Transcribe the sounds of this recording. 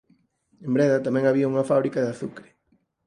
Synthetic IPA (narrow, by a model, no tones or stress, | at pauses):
embɾɛðɐt̪amɛ̃ŋaβiɐuŋɐfaβɾikɐðaθukɾɪ̥